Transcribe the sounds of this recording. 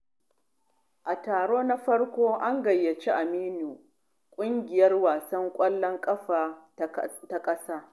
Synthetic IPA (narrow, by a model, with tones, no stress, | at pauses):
ʔa˨taː˨ɽoː˦na˦ɸɐ˦ɽkʷoː˦ʔa˦ŋɡɐ˨jːɐ˨t͡ʃi˦ʔa˨miː˦nuː˨ | kʷʼʊ˦ŋɡʲɪ˨jɐ˦rwaː˨sɐ˦ŋkʷʼɐ˦lːɔ˦ŋkʼɐ˦ɸaː˨ | ta˦kʼɐ˦saː˦